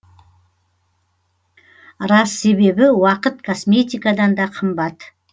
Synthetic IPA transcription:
ɾɑsːe̞be̞bɪwɑqət̪kʰo̞smʲe̞t̪ʲijkad̪ɑnd̪ɑqʰəmbɑt̪

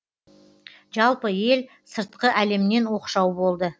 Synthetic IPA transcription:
ʒɑlˠpəje̞l | səɾt̪̚qəʔæle̞mne̞nwo̞qʃɑwbo̞lˠd̪ə

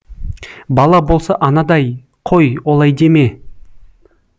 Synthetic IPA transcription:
bɑlˠɑbo̞lˠsɑʔɑnɑd̪ɑj | qʰo̞jwolˠɑjd̪e̞me̞

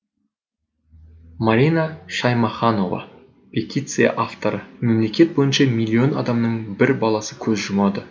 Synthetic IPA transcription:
maɾʲinaʃɑjmɑχɑno̞vɑ̰ | pʲʰet̪ʲit̪sɨja̰ʔaft̪o̞ɾəme̞mle̞kʲe̞t̪̚bo̞jənʃɑmijlʲːio̞nɑ̰d̪ɑmnəɴbɪɾbɑlˠɑsəkʲʰɵzʒʊmɑd̪ə

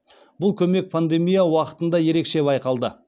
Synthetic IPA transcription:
bʊlˠkʲʰɵme̞k̚pʰand̪e̞mijawɑqə̥t̪ənd̪ɑje̞ɾe̞kʃe̞bɑjqɑlˠd̪ə

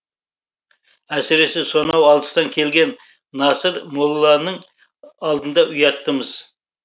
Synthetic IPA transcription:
æsɪɾe̞seso̞nɑwɑlˠd̪əst̪ɑŋkʲʰe̞lɡʲe̞nː | ɑsəɾmolˠːɑnəɴ | ɑlˠd̪ənd̪ɑʔʊjɑt̪ːəməz̥

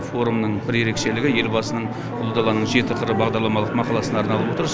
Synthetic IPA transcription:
fo̞ɾumnəɴbɪɾje̞ɾe̞kʃe̞lɪɡʲɪje̞lbɑsənəɴ | ʊlˠud̪ɑlˠɑnəɴʒe̞t̪ət̪əɾəbɑʁd̪ɑɾlˠɑmɑlˠəqmɑqɑlˠɑsənɑɾnɑlˠəpwot̪əɾs

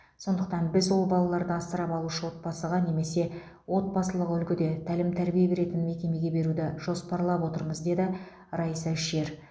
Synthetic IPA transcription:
so̞nd̪əqt̪ɑnbɪzwo̞lˠbɑlˠɑlˠɑɾd̪əɑst̪əɾɑpɑlˠuʃəwo̞t̪̚bɑsəʁɑne̞me̞se̞ | wo̞t̪̚bɑsəlˠəqʏlkʲɪd̪e̞t̪ʰælɪmt̪ʰæɾbijebe̞ɾe̞t̪ɪnme̞kʲe̞me̞ɡʲe̞be̞ɾud̪ɪʒ̥o̞spɑɾlˠɑpwo̞t̪əɾməzd̪e̞d̪ɪ | rɑjsæʃe̞ɾ

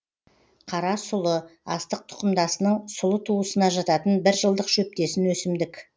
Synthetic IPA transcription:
qʰɑɾɑsʊlˠəɑst̪əq̚t̪ʰʊ̥qəmd̪ɑsənəɴsʊlˠət̪ʰuəsənɑʒɑt̪ɑt̪ənbɪɾʒəlˠd̪əqʃɵp̚t̪e̞sɪnwɵsɪmd̪ɪkʲ

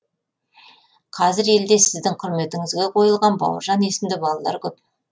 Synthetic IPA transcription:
qʰɑzɪɾe̞ld̪e̞sɪzd̪ɪŋqʰʊɾme̞t̪ɪŋɪzɡʲe̞qʰo̞jəlˠʁɑnbɑ̰wə̰ɾʒɑne̞sɪmd̪ɪbɑlˠɑlˠɑ̰ɾkʲɵp̚

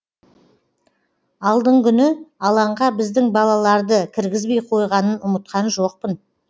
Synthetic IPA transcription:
ɑlˠd̪əɴkʲʰʏnɪɑlˠɑɴʁɑbɪzd̪ɪŋbɑlˠɑlˠɑɾd̪əkʲʰɪɾɡʲɪzbe̞jqʰo̞jʁɑnənʊmət̪̚qɑnʒo̞q̚pən

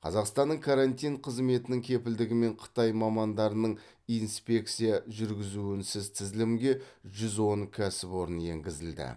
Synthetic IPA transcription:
qʰɑ̰zɑqst̪ɑnːəɴkʰaɾant̪ijɴqʰəzme̞t̪ɪnɪŋkʲʰe̞pɪld̪ɪɡʲɪme̞ɴqʰə̥t̪ɑjmɑmɑnd̪ɑɾənəɴ | ijnspʲe̞k̚t̪sijɑʒʏɾɡʲɪzuɪnsɪzt̪ʰɪzlɪmɡʲe̞ʒʏzwo̞ɴkʲʰæsɪpwo̞ɾənje̞̰ŋɡʲɪzɪld̪ɪ̰

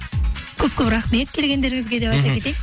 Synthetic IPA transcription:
kʲʰɵp̚kʲɵpɾaχme̞t̪̚kʲʰe̞lɡʲe̞nd̪e̞ɾɪŋʲɪzɡʲe̞d̪e̞pɑjt̪ɑpkʲʰe̞t̪ej

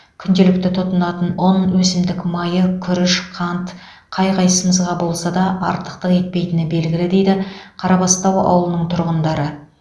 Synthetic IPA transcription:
kʲʰʏnd̪e̞lɪk̚t̪ɪt̪ʰʊt̪ənɑt̪ənonwɵsɪmd̪ɪkmɑjəkʲʰʏɾɪʃqʰɑnt̪ | qʰɑjqʰɑjsəməzʁɑbo̞lˠsɑd̪ɑʔɑ̰ɾt̪ə̥q̚t̪əqe̞t̪̚pe̞jt̪ɪnɪbe̞lɡʲɪlɪd̪e̞jd̪ɪqʰɑɾɑpɑst̪ɑwɑ̰wəlˠənəɴt̪ʰʊɾʁənd̪ɑɾə

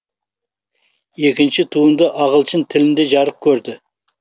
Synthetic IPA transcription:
e̞kʲɪnʃɪt̪ʰuənd̪əʔɑʁəlˠʃɪnt̪ʰɪlɪnd̪e̞ʒɑɾəq̚kʲʰɵɾd̪ɪ

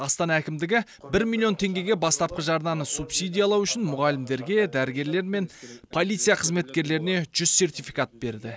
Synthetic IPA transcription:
ɑst̪ɑnɑækʲɪmd̪ɪɡʲɪ | bɪɾmʲilʲˠːijo̞nt̪ʰe̞ŋɡʲe̞ɡʲe̞bɑst̪ɑp̚qəʒɑɾnɑnəsupsijd̪ʲijɑlˠɑwʏʃɪnmʊʁɑlɪmd̪e̞ɾɡʲe̞d̪æɾɪɡʲe̞ɾle̞ɾme̞npʰo̞lʲˠijt̪sɨjɑqʰəzme̞t̪kʲe̞ɾle̞ɾɪne̞ʒ̥ʏzse̞rt̪ijfijkat̪̚be̞ɾd̪ɪ

